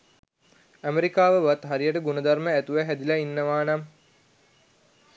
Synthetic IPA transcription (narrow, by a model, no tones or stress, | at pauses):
æmeɾikaːʋəʋat̪ɦaɾijəʈəɡunəd̪arməæt̪uʋæɦæd̪ilainːəʋaːnɐm